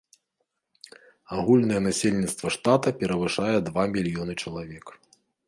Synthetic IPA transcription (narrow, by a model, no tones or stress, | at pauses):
aɣulʲnɐjɛnasʲelʲnʲit̪st̪vɐʂt̪at̪ɐpʲɛɾɐvɨʂajɛd̪vamʲilʲijɔnɨt͡ʂɐlˠavʲɛk